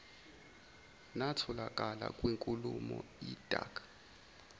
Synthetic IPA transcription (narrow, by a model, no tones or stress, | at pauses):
natʰɔlakʼala̰kʼwiŋkʼulumɔid̥ʱʼa̰ːkʰʼ